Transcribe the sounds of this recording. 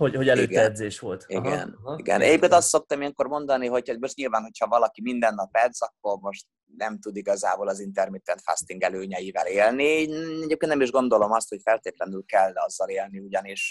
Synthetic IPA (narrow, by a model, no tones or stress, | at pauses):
hoɟhoɟɛløːtɡ̪ɛɛd̪zeːʃʋo̞lt̪ḭɡɛ̰niɡɛ̰nɛ̰ɟepkeːnt̪ɒst̪so̞k̚t̪ɒmijɛŋko̞rmo̞nd̪ɒniɦo̞cmoʃt̪ɲilvaːnɦo̞chɒvɒlɒkimind̪ɛnːɒpɛd̪zɒkːo̞rmo̞ʃt̪ | nɛmt̪ud̪iɡɒza̰ːbolɒzint̪ɛrmit̪ɛnt̪fa̰st̪iŋɡɛløːɲɛjivɛleːlniɛɟeːpkent̪nɛmiʒɡo̞nd̪o̞lo̞mɒst̪ho̞cfɛlt̪eːt̪lɛnylkɛlːɒzːɒleːlniuɟɒniʃ